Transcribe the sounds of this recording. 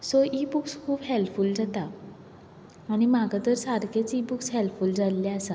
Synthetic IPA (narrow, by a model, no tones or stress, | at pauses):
soʔibukskʰuːbɦelfuld͡zat̪a | aɽ̃imaɡat̪əɾsaɾkʰet͡sibukshɛlfuld͡zalːɛasa